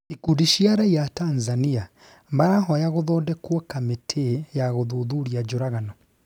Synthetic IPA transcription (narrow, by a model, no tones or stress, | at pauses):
ikudiʃiaɾaijatanzania | maɾaɦɔjaɣoðɔːdɛkwɔkametʰejaɣoðuðuɾiad͡ʒoɾaɣanɔ